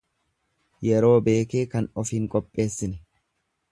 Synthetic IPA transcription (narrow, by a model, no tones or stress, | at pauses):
jɛɾo̞ːbe̞ːke̞ːkɐnɔfiːŋkʼɔpʼːe̞ːsːɪnɪ